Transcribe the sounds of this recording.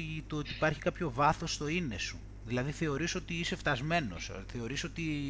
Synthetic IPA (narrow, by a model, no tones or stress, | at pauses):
t̪ot̪iːpɐɾçi̥kɐpço̞vɐθo̞st̪o̞ine̞su | ðilɐðiθe̞o̞ɾiso̞t̪iise̞ft̪ɐzme̞no̞̰sθe̞o̞ɾiso̞t̪i